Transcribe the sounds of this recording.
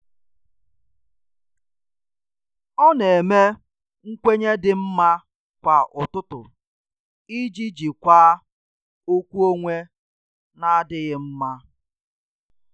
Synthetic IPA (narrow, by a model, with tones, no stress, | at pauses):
ɔ˦ne˨me˦ | ŋ̩˦kʷe˦ɲe˦dɪ˨m̩˦ma˦ | kʷa˨ʔʊ˨tʊ˦tʊ̰˨ | i˦d͡ʒi˦d͡ʒi˨kʷaː˦ | o˦kʷu˦o˦ŋʷe˦ | na˦dɪ˦ɣɪ˦m̩˦ma˦